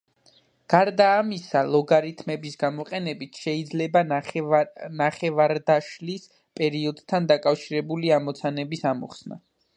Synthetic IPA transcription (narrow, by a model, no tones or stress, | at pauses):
ɡ̥aɾd̪aːmisalˠɔɡaɾit̪ʰmɛbisɡamɔqʼɛnɛbit̪ʰʃɛid̪zlɛba | naχɛvaɾd̪aʃlis | pʼɛɾiɔd̪t̪ʰand̪akʼafʃiɾɛbuliamɔt̪sʰanɛbisamɔ̰χsna̰